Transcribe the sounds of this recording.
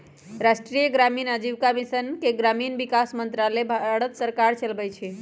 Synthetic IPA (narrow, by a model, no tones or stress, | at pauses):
ɾaʃʈɾijəɡɾaminəd͡ʒiʋkamisənkeɡɾaminbikasmənt̪ɾalebʱaɽət̪səɾkaɾt͡ʃəlbɛt͡ʃʰi